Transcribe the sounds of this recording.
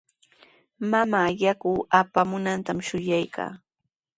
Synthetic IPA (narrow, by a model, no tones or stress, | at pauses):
mamaːjakuːapamʊnant̪amʃʊjajkʰa̰ː